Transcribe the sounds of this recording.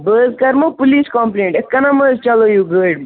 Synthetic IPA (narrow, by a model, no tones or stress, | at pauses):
bəːzkɐɾmopʊliːskɔmpleːɳʈet̪̚kɐnaməzt͡ʃɐlojuɡəːɖ